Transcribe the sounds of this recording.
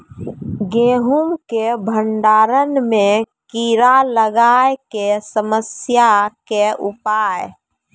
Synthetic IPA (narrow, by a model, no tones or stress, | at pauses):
ɡẽːɦumkebʱəɳɖaːɾənmẽkiɾaləɡaːekesəməsjakeʊpaːj